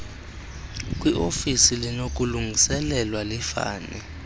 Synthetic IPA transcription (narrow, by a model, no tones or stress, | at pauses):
k̬ʼwiʔofisilinok̬ʼuluŋʱisɛlɛlwalifa̰ːnɛ